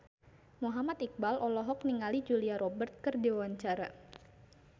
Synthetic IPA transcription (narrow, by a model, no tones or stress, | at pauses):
muɦamat̪ik̚balʔɔlɔɦɔk̚niŋalid͡ʒuliaɾɔbərt̪̚kɨrdiwawaɲt͡ʃaɾa